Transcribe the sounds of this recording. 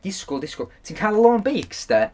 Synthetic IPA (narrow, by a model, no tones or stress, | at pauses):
d̥ɪskʊlˠdɪskʊlˠtʰiːnkʰalˠəlˠɔŋbiːksd̥ɛ